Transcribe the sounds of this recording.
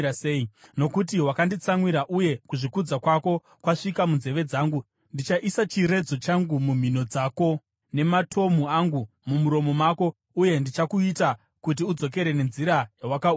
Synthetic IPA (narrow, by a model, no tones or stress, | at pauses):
seino̞kut̬iwakandit͡saŋwiɾaʔuje̞kuʐikud͡zakwako̞ | kwaʂikamunze̞ʋe̞d͡zaːŋɡu | ndit͡ʃaʔisat͡ʃiɾe̞d͡zo̞t͡ʃaŋɡumum̤ino̞d͡zaːko̞ | ne̞matʰo̞m̤uaŋɡu | mumuɾo̞mo̞mako̞ | uje̞ndit͡ʃakuita | kut̬iud͡zo̞k̬e̞ɾe̞ne̞nziɾajawakau